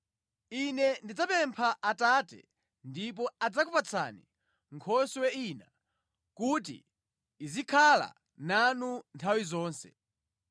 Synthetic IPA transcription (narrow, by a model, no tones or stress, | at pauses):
inɛndid͡zapɛmpʰaʔataːtɛ̰ | ndip̬ɔad͡zakupat͡sʰa̰ni | ŋkʰɔswɛina | kuːt̬ḭː | zikʰala̰ | nanuntʰawizɔːnsɛ̰